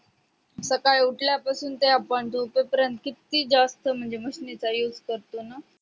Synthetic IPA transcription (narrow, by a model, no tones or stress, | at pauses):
səkaɭuʈʰljapasuːnt̪eapəɳt̪upəpəɾjənt̪kit̪iːd͡zast̪əm̤əɳd͡zem̤əɕnet͡sajud͡zʱkəɾt̪ona